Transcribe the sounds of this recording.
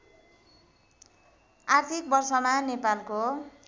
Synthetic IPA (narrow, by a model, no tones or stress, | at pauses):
art̪ʰik̚bʌrsʌmanepalko